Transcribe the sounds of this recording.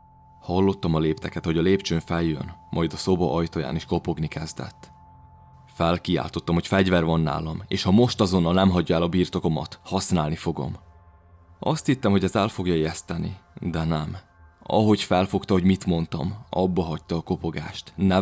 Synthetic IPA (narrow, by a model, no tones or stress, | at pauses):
hɒlːo̞t̪ːɒmɒleːpt̪ɛkɛt̪ho̞ɟɒleːpt͡ʃøːɱfɛljø̰nmʔɒjd̪ɒso̞bɒ̰ʔɒjt̪oja̰ːniʃko̞po̞ɡnikɛzd̪ɛ̰t̪ː | fɛlkia̰ːlt̪o̞t̪ːɒmho̞cfɛɟvɛrvɒnːa̰ːlɒmḛːʃhɒmo̞ʃt̪ɒzo̞nːɒlnɛmɦɒɟːɒɛlɒbiːrt̪o̞ko̞mɒ̰t̪hɒsnaːlnifo̞ɡo̞̰m | ɒst̪hit̪ːɛmho̞ɟɛzɛlfo̞ɡjɒeɛst̪ɛnḭd̪ɛnɛm | ɒ̰ɦo̞cfɛlfo̞kt̪ɒho̞ɟmit̪mo̞nt̪ɒmɒ̰bːɒɦɒc̚t̪ɒːko̞po̞ɡa̰ːʃt̪nɛ